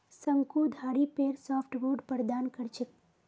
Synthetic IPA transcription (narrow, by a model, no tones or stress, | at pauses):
səŋkud̪ʱaɽipeɾsɔfʈboɖpəɾd̪ankəɾt͡ʃʰək̚